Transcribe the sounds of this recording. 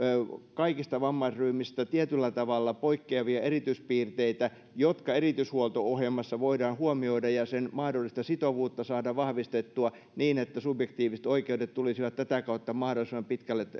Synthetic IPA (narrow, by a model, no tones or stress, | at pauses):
kɑikist̪ɑʋɑmːɑsryːmist̪æt̪iet̪ylːæt̪ɑʋɑlːɑpoikːeɑʋiɑeɾit̪yspiːrt̪eit̪æ | jot̪kɑerit̪yshuolt̪oohjemɑsːɑʋoidɑːnhuomioidɑjɑsenmɑhdolːˑist̪ɑsit̪oʋuːt̪ːɑsɑːdɑʋɑhʋist̪et̪ːuɑ | niːnet̪ːæsubjekt̪iːʋisĕ̥t̪oikeudet̪t̪ulisiʋɑt̪t̪æt̪ækɑut̪ːɑmɑhdolˑisimːɑmpit̪kælːet̪